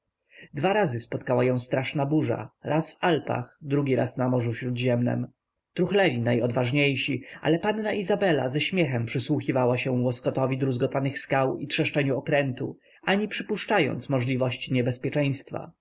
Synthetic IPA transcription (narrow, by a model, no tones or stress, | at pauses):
d̪vaɾazɘspɔt̪kawajɔ̃w̃st̪ɾaʂnabuʐa̰ɾasvalpa̰xd̪ɾuɡʲiɾa̰snamɔʐufɕɾud̪ʑɛmnɛ̰m | t̪ɾuxlɛlʲinajɔd̪vaʐɲejɕiʔa̰lɛpanːaʔizabɛla̰zɛɕmʲjɛxɛmpʂɘswuxʲivawaɕɛwɔskɔt̪ɔvʲid̪ɾuzɡɔt̪anɘxskawitʂɛʂt͡ʂɛɲuɔkɾɛnt̪ṵ | aɲipʂɘpuʂt͡ʂajɔ̰nt̪smɔʐlʲivɔɕt͡ɕiɲɛbɛspʲjɛt͡ʂɛ̃j̃st̪fa̰